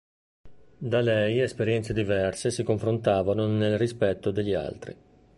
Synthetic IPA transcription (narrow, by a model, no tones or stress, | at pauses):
d̪alɛjespeɾjɛnt̪sed̪ivɛrsesikoɱfɾont̪aːvanonelrispɛt̪ːod̪eʎːia̰lt̪ɾḭ